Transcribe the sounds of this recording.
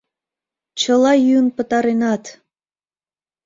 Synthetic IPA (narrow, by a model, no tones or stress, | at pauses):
t͡ɕəlɑjynpə̆t̪ɑɾenɑt̪